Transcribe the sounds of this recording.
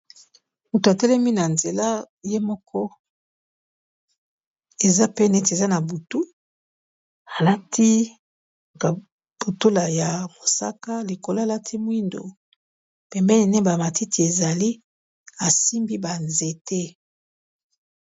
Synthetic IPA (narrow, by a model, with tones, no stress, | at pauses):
mu˨to˨a˨tɛ˦lɛ˦mi˦na˨nze˨la˦ | je˦mɔ˦kɔ˦ | e˨za˦pe˦ne˦ti˨e˨za˦na˨bu˨tu˦ | a˨la˦tʰi˦ | ka˨ | b̥o˨to˦la˨ja˨mo˨sa̰˦ka˦li˨ko˨lla˦tʰi˦mwi˦ndo̰˨ | pɛ˨mbɛ˦ni˨ne˦ba˨ma˨ti˦ti˨e˨za˨li˦ | a˨si˦mbi˦ba˨nze˨tʰɛ˦